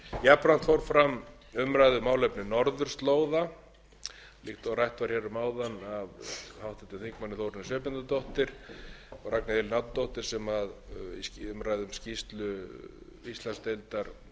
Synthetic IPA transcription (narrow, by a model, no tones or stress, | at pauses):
japɾan̥t̪fowɾfɾam | ʏmɾaːjðʏmaːwlœpnɪnɔɾðʏɾ̥st̪loːwða | lixt̪ɔɣrajht̪vaɾ̥çɛɾʏmaːwðanavhawht̪ɛt̪ɪnθiŋkmanːɪθowɾɪnɪsœːpɪnt̪at̪ɔht̪ɪɾ̥ɔɣraknɪɪlɪnat̪t̪owht̪ɪɾ̥sɛmaðḭscʏmɾaːjðʏmscist̪lʏ | ist̪lanst̪ejlt̪aɾ̥